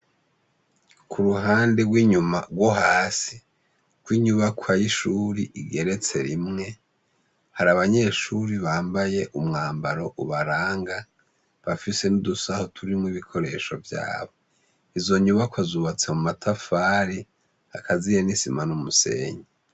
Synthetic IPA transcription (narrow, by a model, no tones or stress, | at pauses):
kʰuɾuɦaːnde̞ɡwiːɲuma̰ɡwoɦaːsi | kwiːɲuβakʰwajiʃuːɾiʔiɡe̞ɾe̞t͡se̞ɾimŋe̞ | haɾaβaɲe̞ʃuɾiβaːmbaje̞ʔumŋaːmbaɾo̞ʔuβaɾaːŋɡa | βafise̞nudusahotʰuɾimŋiβikʰo̞ɾe̞ːʃo̞vja̰ːβo̞ | izo̞ɲuβakwazuβat͡semumatʰafaːɾi | akʰazijenisimanumuse̞̰ːɲe